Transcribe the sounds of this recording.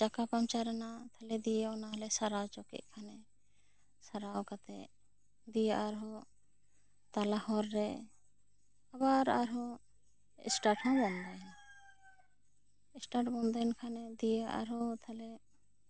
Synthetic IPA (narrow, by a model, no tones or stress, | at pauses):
d͡ʒakapamt͡ʃaɾɛnat̪ʰalɛd̪ijeɔnaɦlɛsaɾawt͡ʃɔkḭʔ̚kʰanɛ | saɾawkat̪ɛ | d̪ijaʔaɾɦɔ | t̪alahɔɾːɛ | abaɾaɾɦɔ | ɛ̰sʈaʈhãbɔnd̪ɛ | ɛsʈaʈbɔnd̪ɛnkʰanɛd̪ijaʔa̰ɾɦɔt̪ʰalɛ